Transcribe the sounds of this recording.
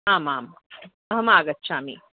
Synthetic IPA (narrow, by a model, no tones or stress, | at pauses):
aːmaːm | ɐɦɐmaːɡɐt̪ːʃaːmḭ